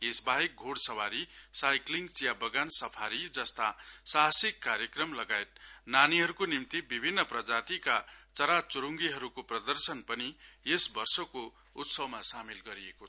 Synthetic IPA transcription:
esbaɦek̚ɡʱoɽsʌwaɾisajkliŋɡt͡sjabʌɡansʌpʰaɾid͡zʌst̪asaɦsikːaɾjʌkrʌmlʌɡaet̪̚naniɦʌɾukonimt̪ibibʱinːʌprʌd͡zat̪ikat͡sʌɾat͡suɾuŋɡiɦʌɾukoprʌd̪ʌrsʌnpʌnijesbʌrsʌko | ut̪sʌwmasamilɡʌɾiekot͡sʰʌ

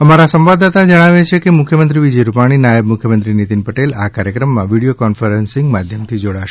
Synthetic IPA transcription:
əmaɾasə̃mʋad̪at̪ad͡ʒəɽ̃aʋet͡ʃʰekemʊkʰjəmənt̪ɾiʋid͡ʒəjɾupaɽ̃inajəbmukʰjəmənt̪ɾinit̪inpəʈelakaɾjəkɾəmːãʋiɽijokɔnfəɾensɪ̃ŋɡmad̪ʱjəmt̪ʰid͡ʒoɽaʃe

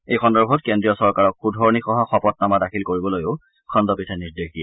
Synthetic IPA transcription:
ejkʰɔndɔɹbʱɔtkendɹijɔsɔɹkaɹɔkxudʱɔɹnixɔɦɔxɔpɔt̚namadakʰilkoɹibɔlojoʊ | kʰɔndɔpitʰɛniɹdexdijɛ

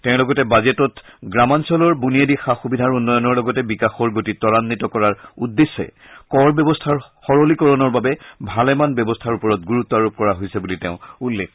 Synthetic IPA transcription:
tɛʊ̃lɔɡɔtɛbazetɔtɡɹamansɔlɔɹbunijedixaxubidʱaɹunːɔjɔnɔɹlɔɡɔtɛbikaxɔɹɡotitɔɹanːitɔkɔɹaɹudːesːɛ̰ | kɔɹbjɔbɔstʰaɹxɔɹolikɔɹɔnɔɹbabɛbʱalɛmanbjɔbɔstʰaɹupɔɹɔt̚ɡuɹut̪ːɔaɹup̚kɔɹaɦojsɛbuliteʊ̃ulːekʰ

